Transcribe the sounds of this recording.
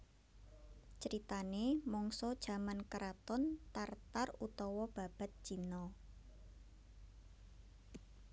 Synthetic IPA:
t͡ʃəɾit̪anemɔŋsɔd̥ʒ̥a̤mankəɾat̪ɔnt̪art̪arut̪ɔwɔb̥a̤b̥a̤t̪̚ʒ̥inɔ

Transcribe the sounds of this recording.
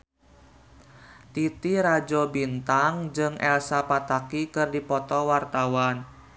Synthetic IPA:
t̪it̪iɾad͡ʒɔbint̪aŋd͡ʒɨŋʔɛlsapat̪akikɨrdipɔt̪ɔwart̪awan

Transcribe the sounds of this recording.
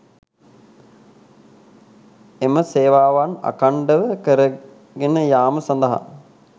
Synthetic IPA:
eməseːʋaːʋana̰kaɳɖəʋəkəɾə | ɡenəjaːməsand̪əɦa̰

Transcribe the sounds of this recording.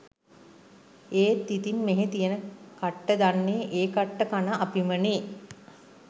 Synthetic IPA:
eːt̪ːit̪inmeɦet̪ijənəkaʈːəd̪anːeːʔeːkaʈːəkanaʔapiməneː

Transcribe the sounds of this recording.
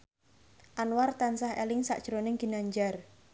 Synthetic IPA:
ʔanwart̪ansahɦḛlɪŋsa̰ʔd̥ʒ̥ɾonɪŋɡ̥inaɲd͡ʒar

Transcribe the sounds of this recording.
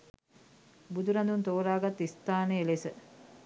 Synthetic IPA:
bud̪uɾand̪unt̪oːɾaːɡat̪ːist̪aːnəelesə

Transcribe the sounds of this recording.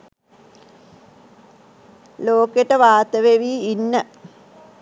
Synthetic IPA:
loːkeʈəʋaːt̪əʋeʋiːinːə

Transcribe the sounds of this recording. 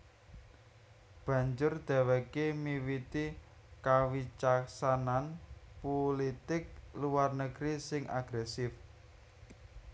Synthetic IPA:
b̥ä̤ɲd͡ʒʊrd̪̥a̤wɛkemiwit̪i | kawit͡ʃaksananpolit̪ɪk̚luwarnəɡ̥ɾisɪŋa̰ɡ̥ɾɛsɪf

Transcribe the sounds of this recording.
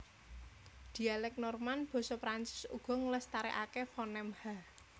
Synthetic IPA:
d̪̥i̤alɛk̚nɔrmanb̥ɔ̤sɔpɾant͡ʃɪ̥sṵɡ̥ɔ̤ŋlɛst̪aɾɛʔakefɔnɛmha

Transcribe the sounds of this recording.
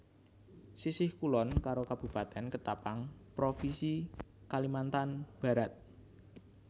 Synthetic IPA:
sisɪhkulɔnkaɾokab̥ṳpat̪ɛnkət̪apaŋpɾofisi | kalimant̪anb̥a̤ɾat̪̚

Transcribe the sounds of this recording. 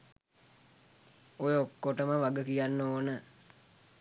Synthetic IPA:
ojokːoʈəməʋaɡəkijanːəoːnə

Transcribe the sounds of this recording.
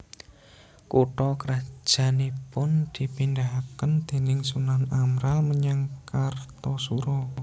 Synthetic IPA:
kuʈɔkəɾḁʒ̥ä̤nipʊnd̪̥i̤pind̪aɦakənd̪̥e̤nɪŋsunanamɾalməɲaŋkart̪ɔsuɾɔ

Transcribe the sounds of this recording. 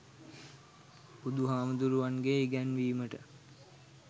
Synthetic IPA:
pud̪uɦaːməd̪uɾuʋanɡeiɡænʋiːməʈə

